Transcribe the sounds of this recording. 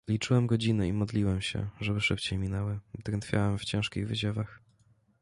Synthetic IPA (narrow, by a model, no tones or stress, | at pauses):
lʲit͡ʂɘwɛmɡɔd͡ʑinɘimɔd̪lʲiwɛmɕɛ̰ʐɛbɘʂɘpt͡ɕejmʲinɛwɘd̪ɾɛnt̪fʲja̰wɛmft͡ɕɛ̃ʂkʲiɣvɘd͡ʑɛvax